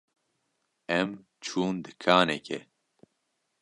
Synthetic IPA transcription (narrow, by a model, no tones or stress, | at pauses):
ɛm | t͡ʃʰuːnd̪ɨkʰaːnɛkʰɛ